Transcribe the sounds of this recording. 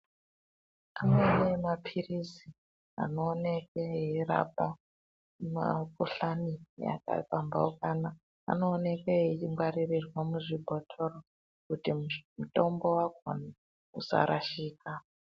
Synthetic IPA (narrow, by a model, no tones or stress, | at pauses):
anoenemapʰirizi | a̰no̞ːnekeiira̰pa | ma̰kuɬanija̰ka̰ipamba̰ukana̰ː | no̞ːnekeit͡ʃiŋɡwaririrwamuʐibʱotʰoro | kutimutombo̞waɡʱo̰na | usa̰ɾaʃiːka